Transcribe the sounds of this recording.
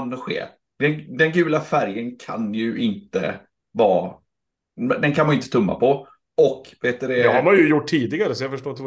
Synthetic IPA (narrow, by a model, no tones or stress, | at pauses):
nd̪ɔɧḛː | d̪ɛnd̪ɛnɡʉ̟ːlafæɾjənkʰa̰njɵʔɪnt̪ə̰ | vɑː | md̪ɛnkʰanmanjʏɪnt̪ə̥t̪ʰɵmːa̰pʰɔ | ɔkveːt̪d̪ɛɛhaɾmanjɵjʊʈʰːiːd̪ɪɡaɾəsɔjafœʂʈoːɾɪ